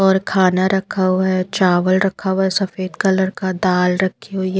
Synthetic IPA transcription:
ɔːɾkʰaːnaɾɐkʰawɦɛt͡ʃaːʋəlɾɐkʰawɦɛsɐfeːd̪kɐləɾkad̪aːlɾɐkʰːio

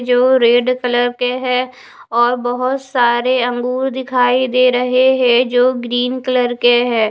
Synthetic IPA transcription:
d͡ʒoːɾeːɖkələɾkeɦɛ̃ː | ɔːɾbəɦʊt̪saːɾeə̃ŋɡuːɾd̪ɪkʰaːid̪eːɾəɦeɦɛ̃d͡ʒoːɡɾiːnkələɾkeɦɛ̃ː

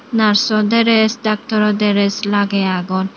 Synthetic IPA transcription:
naɾsɔd̪ɛɾɛsd̪ak̚t̪ɔɾɔd̪ɛɾɛslaɡɛaɡɔn

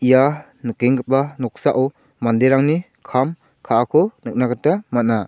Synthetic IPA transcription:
ija | nɯkeŋɡɯp̚banɔk̚saʔaw | mandeɾaŋni | kʰam | kʰaakʰɔnɯk̚naɡatamat̚na

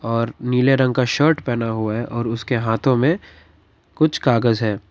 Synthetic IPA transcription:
ɔːɾniːleɾɐ̃ŋɡ̚kaʃəːɾʈpɛːnaɦʊaɦɛʔɔːɾʊskeɦaːt̪ʰõmẽ | kʊt͡ʃʰkaːɡəzɦɛː

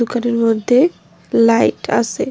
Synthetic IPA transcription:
ukaɾeɾmod̪ʱːe | lajʈa̰se

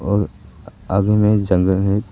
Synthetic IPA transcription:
ɔːɾ | aːɡmẽd͡ʒɐ̃ŋɡəlɦɛ

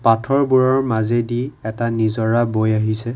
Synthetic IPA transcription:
patʰɔɹbuɹɔɹmazɛdiɛtanizɔɹabojaɦisɛ

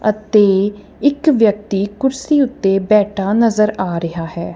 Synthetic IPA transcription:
ət̪eː | ɪkʋjək̚t̪iːkʊɾsiːʊt̪ːeːbɛːʈʰaːnəzəɾaːɾɪɦaːɦɛː

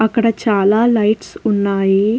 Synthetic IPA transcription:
ɐkːɐɽɐt͡ʃaːlaːlɐjʈsunːaːji

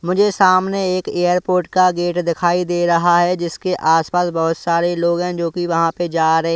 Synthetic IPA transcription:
mʊd͡ʒʱesaːmneeːkeːjəɾpoːɾʈ̚kaɡeːʈd̪ɪkʰaːid̪eːɾɐɦaɦɛd͡ʒɪskeʔaːspaːsbɐɦʊt̪saːɾeloːɡɦɛ̃d͡ʒoːkiʋɐɦãped͡ʒaːɾɐɦẽ

